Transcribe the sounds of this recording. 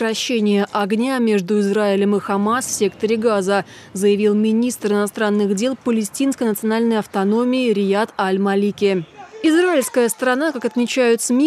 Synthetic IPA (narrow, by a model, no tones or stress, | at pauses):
kɾɐɕːenʲɪjəʔɐɡnʲamʲe̞ʐd̪ʊɪzraɪlʲəmɨxɐmasfsʲe̞kt̪əɾʲɪɡazə | zəjɪvʲilˠmʲɪnʲist̪rɨnɐst̪ɾanːɨɣdʲe̞lˠpəlʲɪsʲtʲinskəjnət̪sɨɐnalʲnəjɐft̪ɐno̞mʲɪːɾʲɪjat̪ɐlʲmɐlʲikʲɪɪzraɪlʲskəjəst̪əɾɐnakakɐt̪mʲɪt͡ɕæjʊt̪smʲi